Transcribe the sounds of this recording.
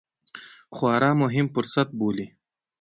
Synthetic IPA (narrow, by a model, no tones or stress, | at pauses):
χwɑːɾɑːmʊɦɪmfʊɾsat̪̚boːli